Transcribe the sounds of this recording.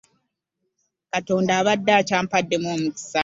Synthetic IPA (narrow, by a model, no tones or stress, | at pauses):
kato̞ːndaːβadːaːcaːmpadːe̞moːmuci̥sa